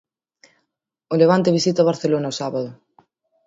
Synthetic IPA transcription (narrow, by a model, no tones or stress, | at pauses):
oleβ̞ant̪eβisit̪aoβaɾθelonaosaβaðʊ